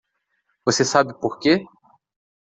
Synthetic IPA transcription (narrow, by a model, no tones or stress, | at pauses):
vosesabɪpoɾke